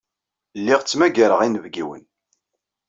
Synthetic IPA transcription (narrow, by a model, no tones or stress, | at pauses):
lːiʁt͡sːmæɡaɾəʁinəvɡiwə̰n